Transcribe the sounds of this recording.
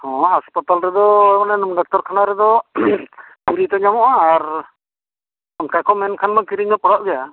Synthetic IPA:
hɔ̃ɦaspat̪alɾɛd̪ɔɔjmananumɡak̚t̪ɔɾkʰanaɾɛd̪ɔ | piɾit̪ɔɲamɔʔaːɾ | kakɔmɛnkʰanmakiɾiɲd̪ɔpɔɽaʔ̚bɛja

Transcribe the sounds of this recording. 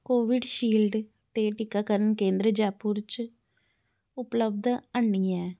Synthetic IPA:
koːʋɪɖʃiːlɖ | t̪eːʈɪkːaːkəɾənkẽːnd̪ɾəd͡ʒaːpuɾt͡ʃ | ʊpləb̚d̪əɳːiɛː

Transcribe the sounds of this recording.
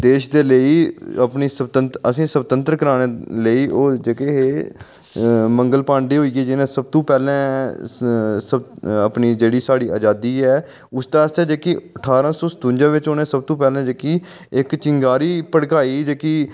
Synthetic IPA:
d̪eːʃd̪eːləiːəpniːsəbt̪ənt̪əsĩːsəbt̪ə̃nt̪ɾkəɾaːɽ̃eːləiːoːd͡ʒeːkeɦeː | mə̃ŋɡəlpãːɳɖiːɦoːiːɡɛːd͡ʒɪnẽːsəb̚t̪õːpɛːlɛ̃ː | səbəpniːd͡ʒeːɽiːsaːɽiːa̰ːd͡ʒaːd̪iːɛː | ʊst̪aːəst̪eːd͡ʒeːkiəʈʰaːɾãːsɔ̃ːsə̥t̪ũːɲd͡ʒãːʋɪt͡ʃoːnẽːsəb̚t̪õːpɛːlɛ̃ːd͡ʒeːkiː | ɪkt͡ʃɪŋɡaːɾiːpəɽkaːiːd͡ʒeːkiː

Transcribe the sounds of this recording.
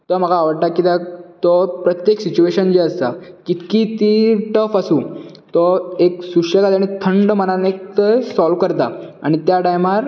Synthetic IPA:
t̪ɔm̤əɡaːʋəɽʈ̪akit̪at̪ɔpɾət̪jeksit͡ɕueɕənd͡ʑeəst̪akit̪kit̪iʈəfəsũː | t̪ɔeksuʂəkat̪aɽ̃it̪ʰəɳɖmənanekt̪esɔlʋkəɾt̪aa̰ɽ̃it̪jaʈajmaɾ

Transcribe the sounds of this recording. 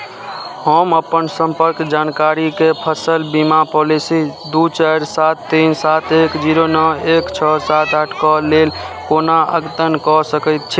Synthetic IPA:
həməpənsəmpəɾkd͡ʒankaɾikepʰəsəlbimapolisid̪ut͡ʃəɾsat̪ːinsat̪ʰekd͡ʒiɾonəekt͡ʃʰɔsat̪aʈʰkɔlel | konaə̰ɡt̪ənkɔsəkət̪̚t͡ʃʰi

